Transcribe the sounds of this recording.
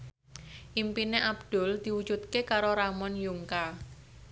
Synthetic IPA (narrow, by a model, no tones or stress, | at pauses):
ʔimpineʔab̚d̪̥ʊ̤ld̪̥i̤wu̥d͡ʒ̥ut̪̚kekaɾoɾamɔnjuŋka